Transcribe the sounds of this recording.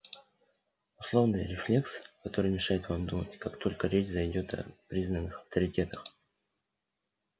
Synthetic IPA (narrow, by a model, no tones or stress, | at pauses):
ʊslˠo̞vnɨjɾʲɪflʲe̞kskɐt̪o̞ɾɨjmʲɪʂajɪt̪vamd̪umə̰tʲkakt̪o̞lʲkəɾʲet͡ɕzɐjdʲo̞t̪ɐ̰pɾʲiznənːɨxɐft̪əɾʲɪtʲe̞t̪ə̥x